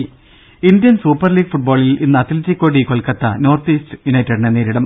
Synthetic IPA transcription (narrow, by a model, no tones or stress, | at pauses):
ind̪jɐnsuːpːɐrliːɡfuʈ̚boːɭilinːɨɐt̪iltːikʲːo̞ːɽikoɭkɐt̪ːɐno̞ːrt̪iːstɨjunɐjtːɐɽineneːɾiɽɐm